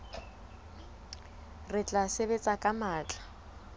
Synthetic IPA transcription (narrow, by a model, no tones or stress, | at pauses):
rɪt͡ɬʼasebet͡sʼakʼamaːt͡ɬʼḁ